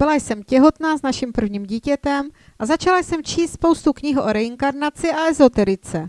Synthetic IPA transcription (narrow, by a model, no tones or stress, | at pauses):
bɪlajsɛmcɛɦo̞t̪naːznaʃimpr̩vɲiːmɟiːcɛt̪ɛm | ʔazat͡ʃalajsɛmt͡ʃiːst̪spo̞wst̪ukɲɪɦʔoɾɛɪŋkaɾnat͡sɪʔaɛzo̞t̪ɛɾɪt͡sɛ